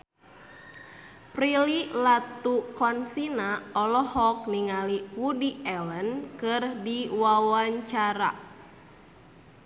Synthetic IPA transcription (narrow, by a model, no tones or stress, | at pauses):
pɾililat̪ukɔnsinaɔlɔhɔk̚niŋaliwudiɛlənkɨrdiwawaɲt͡ʃaɾa̰